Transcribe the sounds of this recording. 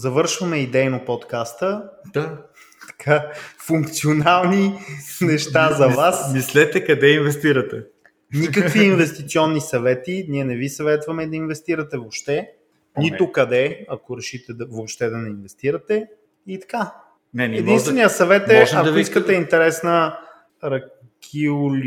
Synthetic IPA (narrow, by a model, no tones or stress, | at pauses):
zɐvɤɾʃvɐmɛid̪ɛjnopot̪kast̪əd̪a | t̪ɐ̥kʰafuŋkt̪sionalˠninɛʃt̪azɐvasmislɛt̪ɛkɐd̪ɛinvɛst̪iɾɐt̪ɛ | nikəkviːnvɛst̪it̪siɔnːisɐvɛt̪iniɛnɛvisɐvɛt̪vɐmɛid̪ɐinvɛst̪iɾɐt̪ɛvopʃt̪ɛ | nit̪okɐd̪ɛɐkoɾɛʃit̪ɛd̪ɐvopʃt̪ɛd̪ɐnɛinvɛst̪iɾɐt̪ɛ | it̪ɐ̥ka | nɛnɛinst̪vɛnijɐsɐvɛt̪ɛɐiskət̪əint̪ɛɾɛsnə | ɾɐ | kʰiʊl